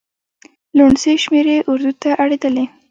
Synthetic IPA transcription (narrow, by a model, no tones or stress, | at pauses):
luɳseʃmeɾeʔʊɾd̪ut̪aʔaɽed̪əle